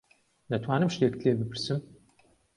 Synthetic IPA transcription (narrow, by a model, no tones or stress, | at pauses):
nɐtʰwaːnɨmʂekɬeːbɨpʰɨrsɨm